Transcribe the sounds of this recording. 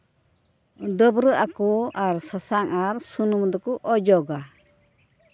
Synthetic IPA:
d̪əbɾəʔakuaɾsasaŋaɾsunumd̪əkuʔɔd͡ʒɔɡa

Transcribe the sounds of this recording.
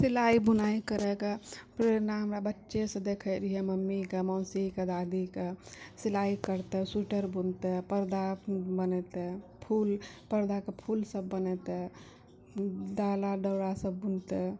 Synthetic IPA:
silaibunaikəɾɛkepɾeɾnaɦəmɾabətːʃesə̃d̪ekʰəɾiɦeməmːikemɔ̃ːsiked̪ad̪ikesilaikəɾt̪esuʈəɾbunt̪epəɾd̪abənɛt̪epʰulpəɾd̪akepʰulsəbːənɛt̪e | d̪alaɖəwɾasəbːunt̪ɛ

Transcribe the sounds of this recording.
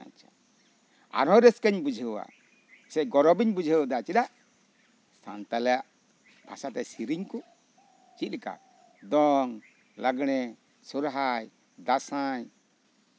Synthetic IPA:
a̰ɲt͡ʃa | a̰ɾɔ̃ɾɛskəɲbud͡ʒʱəwa̰ | sɛɡɔɾɔbiɲbud͡ʒʱəwd̪at͡ʃid̪aʔ | sa̰nt̪alɛjaʔ | bʱasat̪ɛsiɾiɲkɔ | t͡ʃit̪̚lɛka̰ | d̪ɔŋ | laɡɽ̃ɛ | suɾɦaj | d̪asaɲ

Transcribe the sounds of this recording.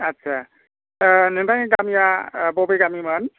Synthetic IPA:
at̚sʰa | nɯŋtʰaŋɡamjabɔbejɡamimɯn

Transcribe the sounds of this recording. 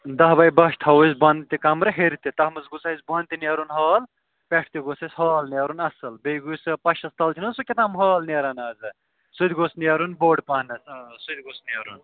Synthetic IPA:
d̪ɐɦbɐjbɐʃʈ̪ʰɐwusbɐnd̪t̪ikɐmɾɨɦeɾt̪it̪ɐhmɐsɡusɐisbɐnt̪inɐɾunɦaːl | pʲeʈʰt̪iɡosɐsʲhaːlnɐɾunɐsɨlbejɡujspɐʃɐst̪ɐlt͡ʃʰinunsukʲet̪ʰɐmɦaːlneɾɐnaːzɨ | sud̪ʲɡosniɐɾunboːɖpɐːnɐssud̪ʲɡosnɐɾun

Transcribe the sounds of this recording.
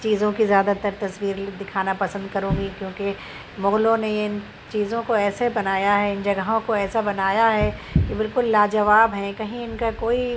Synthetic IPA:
t͡ʃiːzõkizjaːd̪at̪ɐɾt̪ɐsʋiːɾd̪ɪkʰaːnapɐsə̃nd̪̚kɐɾũːɡikjõːke | mʊɣlõnejeɪn | t͡ʃiːzõkoɛːsebɐnaːjaɦɛɪnd͡ʒɐɡəɦõkoɛːsabɐnaːjaɦɛkibɪlkʊlːaːd͡ʒɐʋaːbɦɛ̃kɐɦĩɪnkakoːi

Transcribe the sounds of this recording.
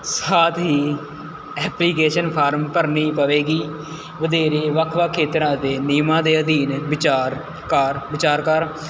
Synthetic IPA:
saːt̪ʰɦiː | ɛːpliːkeːʃənpʰaːɾmpəɾnĩːpəʋeːɡiː | ʋəd̪eːɾeːʋəkʰʋaːkʰeːt̪ɾãːt̪eːniːmãːd̪eːəd̪iːnbɪt͡ʃaːɾ | kaːɾʋɪt͡ʃaːɾkəɾ

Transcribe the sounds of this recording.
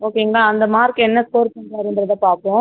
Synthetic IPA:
oːkeːŋɡɐlaːɐnd̪ɐmaːɾkːɯɛnːɐtoːɾpɐɳɖɾaːɾɯnd̪ɪɾɐðɐpaːɾpõː

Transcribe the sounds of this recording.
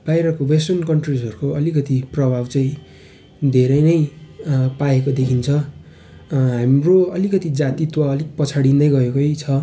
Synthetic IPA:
b̥ajɾʌkowesʈʌnkʌɳʈrid͡zʌɾukoʌlikʌt̪iprʌbʱabt͡saĩ | d̪ʱeɾʌjnʌj | paekod̪ekʰint͡sʰʌ | ɦamroʌlikʌt̪id͡zat̪it̪waʌlikpʌt͡sʰaɽind̪ʌjɡʌekojt͡sʰʌ

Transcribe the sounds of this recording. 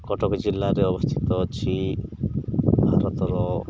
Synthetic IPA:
kɔʈɔkɔd͡ʒilːaɾeɔbɔst̪ʰi̥t̪ɔt͡ʃʰi | bʱaɾɔt̪ɔɾɔ

